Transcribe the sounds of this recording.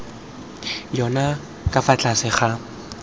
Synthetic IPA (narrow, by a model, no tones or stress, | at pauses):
jɔna | kʼafat͡ɬʼasɪχa